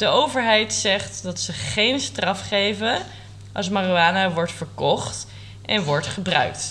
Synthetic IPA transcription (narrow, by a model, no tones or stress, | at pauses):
d̥əʔowvəɹɦɛjtsɛχtdɑtsəχejnstrɑfχejvən | ʔɑ̰smaroaːnaʋɔɹtfəɹkɔχt | ʔɛnʋɔɹtχəbrœ̰ɥk̚t